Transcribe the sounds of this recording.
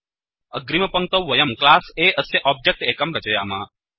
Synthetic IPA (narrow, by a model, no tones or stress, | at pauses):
ɐɡɾimɐpɐŋ̚t̪ɐwʋɐjɐmklaːseːʔəsjeʔɔb̚d͡ʒek̚ʈeːkɐmɾɐt͡ʃɐjaːmaː